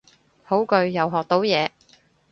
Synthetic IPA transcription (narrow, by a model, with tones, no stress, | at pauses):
ho˨˥wkɵ˧ɥjɐ˨wɦɔː˨k̚t̪o˨˥wjɛː˨˧